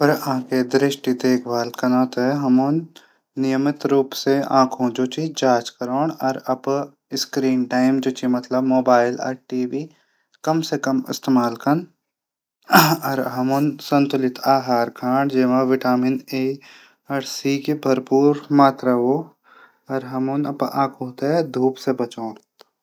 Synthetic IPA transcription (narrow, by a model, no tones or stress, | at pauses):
pɐɾãked̪ɾɪʃʈid̪eːkʰbʱaːlkɐnãːt̪ɛɦɐmoːnː | ɪjəmɪt̪ɾuːpseã̰ːkʰõːd͡ʒoːt͡ʃid͡ʒaːt͡ʃkɐɾoːɳɐɾɐb | ɪskɾiːnʈaːɪmd͡ʒoːt͡ʃimɐt̪ləbmoːbaːɪla̰ɾʈiːʋiː | kɐmsekɐmɪ̰st̪emaːlkɐn | ɐɾɦɐmʊnsɐ̃nt̪ʊlɪt̪ʰaːɦaːɾkʰãːɳɖd͡ʒeːʋãʋɪʈaːmɪneː | ɐɽsiːkibʱɐɾpuːɾmaːt̪ɾao | ɐɾɦɐmunɐpã̰ːkʰoːt̪ed̪ʱuːpsebɐt͡ʃoːɳ